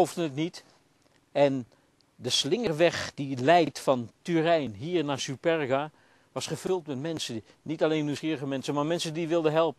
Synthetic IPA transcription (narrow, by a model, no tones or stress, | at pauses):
owvdənətnit | ɛn | dəslɪŋərʋɛχd̥ilɛjtfɑntyrɛjnɦiːɹnaːsypɛrɡa | ʋɑsχəv̥ɵlˠtmɛtmɛnsə | nitalejnːywsχiːrəɣəmɛnsənmaːɹmɛnsəndiʋɪlˠdəɦɛlˠpə